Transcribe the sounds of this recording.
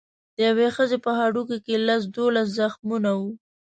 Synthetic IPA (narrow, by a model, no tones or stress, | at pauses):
d̪̥əjawexəzepəɦaɖukokelas̬d̪olas̬zaxmunawu